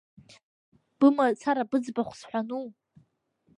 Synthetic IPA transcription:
b̥ɨmat͡sʰaɾabɨd͡zbaχʷsħʷᶣanu

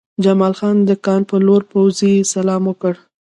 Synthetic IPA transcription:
d͡ʒamɑlxɑnd̪əkɑnpəloɾpawzisalɑmwəkəɽ

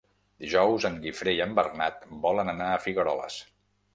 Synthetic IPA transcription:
d̪̥iʒɔwzəŋɡifɾeiəmbərnat̪̚bɔlənənaəfiɣəɾɔlə̰s

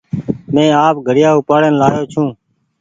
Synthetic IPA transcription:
mẽːaːp̚ɡʱəɽɪjaːʊpaːɽənlaːjoːt͡ʃʰũː

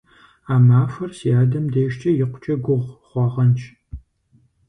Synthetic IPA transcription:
aːmaːfɐrsiaːdɐmdeːʃt͡ʃʼɐjɪqʷʊt͡ʃʼɐɡʷʊʁʷχʷɑʁɐnt͡ʃʰʼ

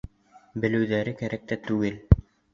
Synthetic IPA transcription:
bɘ̆lɘ̆wðæɾɘkæɾæk̚t̪æt̪ʉɡɘl

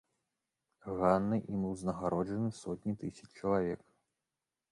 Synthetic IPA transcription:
ɣanːɨʔimɨwznɐɣaɾɔd͡ʐɐnɨsɔt̪ʲnʲit̪ɨsʲɐt͡ʂt͡ʂɐlˠavʲɛk

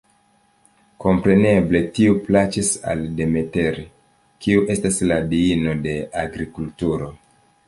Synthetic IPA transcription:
ko̞mpɾe̞ne̞ble̞tiuplat͡ʃisa̰lde̞me̞te̞ɾi | kiuʔe̞stasladiino̞de̞aɡɾikultuɾo̞

